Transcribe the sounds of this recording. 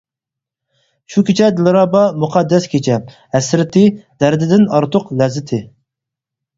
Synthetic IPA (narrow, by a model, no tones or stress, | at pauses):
ʃukʲit͡ʃʰɛd̪ɪlɨɾɑːbɑmuqʰɑd̪ːɛskʲʰet͡ʃʰɛ | ɛsɾɪt̪ʰɪd̪̥æɾd̪ɪd̪ɪnɑɾt̪ʰʊqlɛzːɪt̪ʰɪ